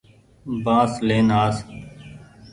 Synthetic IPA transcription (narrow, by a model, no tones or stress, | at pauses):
bãːsleːnaːs